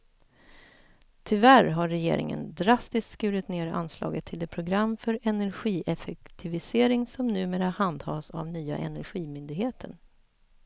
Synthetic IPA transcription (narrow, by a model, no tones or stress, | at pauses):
t̪ʰʏvæɾɦaɾːɛjḛːɾɪ̰ŋə̰nd̪ɾast̪ɪskt̪skʉːɾɪt̪neːɾa̰nslɑ̰ːɡət̪ʰːɪld̪ɛːpʰɾʊɡɾamːfœɾɛnæɾɧiːʔɛfɛkt̪ʰɪvɪseːɾɪŋsɔmnʉ̟ːmeːɾahand̪hɑːsa̰vnyːa̰ʔɛ̰næɾɧiːmʏnd̪ɪɡheːt̪ʰəɳ